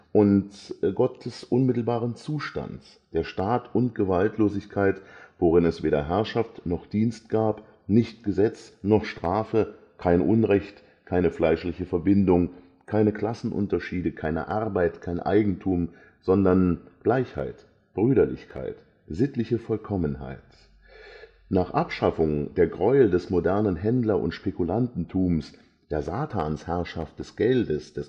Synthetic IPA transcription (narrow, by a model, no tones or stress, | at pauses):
ʔʊntɡɔtəsʔʊnmɪtl̩baːʁənt͡suːʃta̰nts | d̥eːɐʃtaːtʔʊntɡ̥əvaltloːzɪçkʰaɪtv̥oʁɪnɛsv̥eːdɐɦɛɐʃaftnɔχd̥iːnst̚ɡ̥aːp | nɪçtɡ̥əzɛt͡snɔχʃtʁ̥aːfə | kʰaɪnʔʊnʁɛçt | kʰaɪnəflaɪʃlɪçəfɛɐbɪndʊŋ | kʰaɪnəkl̥asn̩ʔʊ̰ntɐʃiːdəkʰaɪnə̰ʔaʁbaɪtkʰaɪnʔa̰ɪɡŋ̩tʰuːm | z̥ɔndɐnɡ̥laɪçha̰ɪt | b̥ʁyːɾɐlɪ̰çkʰa̰ɪt | z̥ɪtlɪçəfɔlkʰɔmənɦa̰ɪt | naːχʔapʃafʊŋd̥eːɐɡʁɔʏədɛsmodɛɐnənɦɛndlɐʔʊ̰ntʃpekulantn̩tʰuːms | d̥eːɐzaːtʰaːnshɛɐʃaft̚d̥ɛsɡ̥ɛldəsd̥ɛs